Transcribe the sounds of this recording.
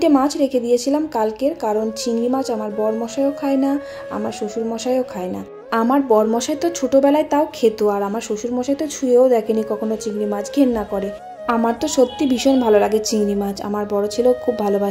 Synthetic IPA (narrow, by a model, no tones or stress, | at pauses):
ʈemad͡ʑʰɾekʰed̪ijet͡ɕʰilamkalkeɾkaɾont͡ɕiŋɾimad͡ʑamaɾbɔɾmɔʃaeokʰaena | a̰maɾʃoʃuɾmɔʃaeookʰaena̰ | amaɾbɔɾmɔʃajt̪ot͡ɕʰoʈobɛlaet̪aokʰet̪uaɾamaɾʃoʃuɾmɔʃajt̪ot͡ɕʰueod̪ɛkʰenikɔkʰonot͡ɕiŋɾimad͡ʑʰɡʱenːakɔɾe | amaɾt̪oʃot̪ːibiʃonbʱalolaɡet͡ɕiŋɾimad͡ʑʰa̰maɾbɔɾot͡ɕʰilokʰubʱaloba